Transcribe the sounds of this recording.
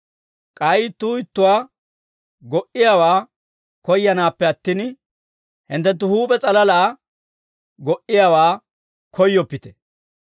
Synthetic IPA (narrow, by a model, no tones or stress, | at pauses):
kʼɐjɪt̪ːuːɪt̪ːʊwaː | ɡɔʔɪjawaː | kɔjːɐnaːpːɛɐt̪ːiːn | hɪnt̪ːɛnt̪̬ːʊhuːpʼɛt͡sʼɐlɐlaː | ɡɔʔɪjawaː | kʰɔjːɔpːɪt̪ɛ̥